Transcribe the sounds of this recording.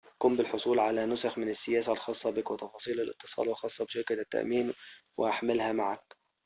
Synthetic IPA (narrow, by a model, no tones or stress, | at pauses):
ʔakuːmbɪlħosˤuːlʕalænʊsaxmɪnɪsːɪjæːsælxɑːsˤːɑbɪkwɪt̪ˤɑfɑːsˤiːlalʔɪ̰t̪ːɨ̥sˤɑ̰ːd̪ɑlxɑːsˤːɑbʃɪɾkalɪt̪ːa̰ʔmiːmwɪʔaħmɪlhæmaʕak̚